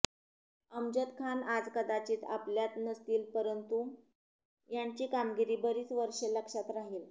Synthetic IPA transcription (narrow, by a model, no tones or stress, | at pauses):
əmd͡ʑət̪kʰanad͡zkəd̪at͡ɕiːt̪a̰pljat̪nəst̪iːlpəɾənt̪u | jaɲt͡ɕiːkamɡiɾiːbəɾiːt͡sʋəɾʂeləkʂat̪ɾaɦiːl